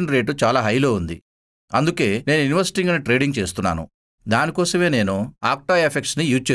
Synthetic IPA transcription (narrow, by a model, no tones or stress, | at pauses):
nɾe̞ːʈ̬ut͡ʃaːlaːɦɐjlo̞ːund̪ḭ | ɐnd̪uke̞ːne̞ːnuiniʋɐɾsi̥ʈiŋɡɐniʈɾe̞ːɖiŋɡt͡ʃe̞ːst̪unːa̰ːnṵ | d̪aːnikɔːsɐme̞ːne̞ːnuaːk̚ʈaepʰekʈsnijuːd͡ʒt͡ʃeː